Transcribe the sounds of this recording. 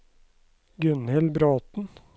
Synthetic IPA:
ɡʉnhɛlbɾoːt̪n̩

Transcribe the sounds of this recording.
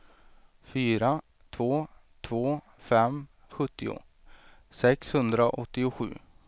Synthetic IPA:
fyːɾa | t̪ʰvoː | t̪ʰvoː | fɛm | ɧɵt̪ːɪʊ̰ | sɛkshɵnd̪ɾaʔɔt̪ːɪʊɧʉ̟̰ː

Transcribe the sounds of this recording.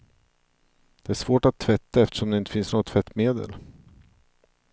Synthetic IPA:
d̪̥ɛæʂvoːʈat̪ʰːvɛt̪ːaɛft̪ə̥ʂɔmd̪ɛɪnt̪ə̥fɪnsnoːɡət̪ʰvɛt̪ːmeːd̪ə̰l

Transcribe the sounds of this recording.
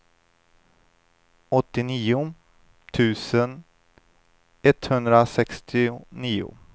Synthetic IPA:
ɔt̪ːɪniːʊ | t̪ʰʉ̟ːsən | ɛt̪hɵnd̪ɾasɛkst̪ʰɪniːʊ̰

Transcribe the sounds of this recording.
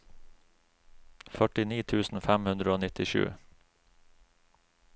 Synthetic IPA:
fœʈɪniːt̪ʰʉːsn̩fæmhʉnd̪ɾəoːnɪt̪ɪʃʉ̰ː

